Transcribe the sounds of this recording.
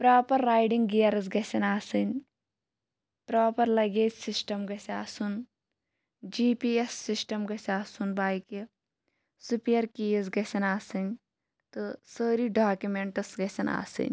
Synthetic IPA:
pɾaːpɐɾːaːjɖiŋɡɡijɐɾɨz̬ɡɐsɐnaːsɨnʲ | pɾaːpɐɾlɐɡeːd͡ʒsisʈɐmɡɐsaːsun | d͡ʒiːpiːesːisʈɐmɡɐsaːsunbaːjki | supiɐɾkiːɐzɡɐsʲɐnaːsɨnʲ | t̪ɨsəːɾiɖaːkjumeɳʈɐsɡɐsʲɐna̰ːsɨ̰nʲ

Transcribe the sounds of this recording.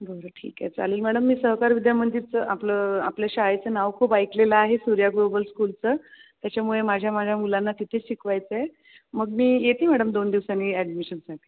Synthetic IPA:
bʱəɾəʈʰḭːka̰t͡saleːlmæɽəmːiːsəɦkaɾʋid̪jamənd̪iɾt͡səʔapləːa̰pljaɕajt͡səːnaʋkʰuːpajkleləaɦesuɾjaɡlobəlskult͡səːt̪jat͡ɕjamuɭemad͡ʑʱjamad͡ʑʱjamulanːat̪it̪ʰeɕikʰʋajt͡səe | məɡ̚miːjet̪ʰiːmæɽəmd̪ond̪iʋsaniæɖmiɕənsaʈʰi̥

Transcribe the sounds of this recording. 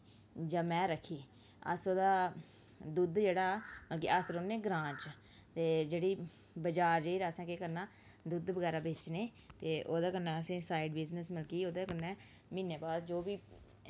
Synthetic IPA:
d͡ʒãːmɛ̃ːɾəkʰːiː | ə̰soːd̪aː | d̪ud̪d͡ʒeːɽaːməlkḭːəsɾõːneːɡɾãːt͡ʃ | t̪eːd͡ʒeːɽiː | bəd͡ʒaːɾd͡ʒeiːɾaːsɛ̃ːkeːkəɾnaː | d̪ud̪bəɡɛːɾaːbeːt͡ʃneː | t̪eːʔoːd̪aːkənːɛːəsĩːsaːiɖbɪd͡ʒnəsmɪlkiːoːd̪aːkənːɛː | mĩːneːbaːsd͡ʒoːbiː

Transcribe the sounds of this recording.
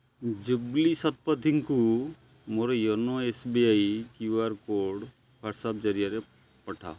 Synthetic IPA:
d͡ʒublisɐt̪̚pəd̪ʱiŋku | moɾɔjonoesbiaikjuaɾkoɾɖ | paɾsab̚d͡ʒəɾijaɾe | pəʈʰa̰ː

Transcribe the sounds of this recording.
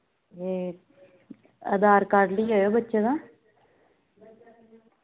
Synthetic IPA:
eː | ə̰d̪aːɾkəɾliːɦoːjoːbətːʃeːd̪ãː

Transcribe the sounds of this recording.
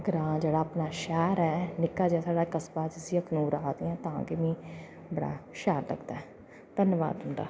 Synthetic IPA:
ɡɾãːd͡ʒeːɽaːəpnaːʃɛːɾɛːnɪkːaːd͡ʒɛːsaːɽaːkəsbaːd͡ʒɪsiəkʰnuːɾaːd̪ɪãːt̪ã̰ːkemĩː | bəɽa̰ːʃɛːɾlə̰ɡd̪aːɛ | t̪ənʋa̰ːd̪ɦʊ̃nd̪a̰ː

